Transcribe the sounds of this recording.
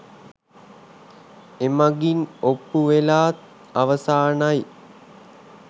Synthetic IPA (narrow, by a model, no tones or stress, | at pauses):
emaɡinopːuʋelaːt̪̚ | aʋəsaːnaj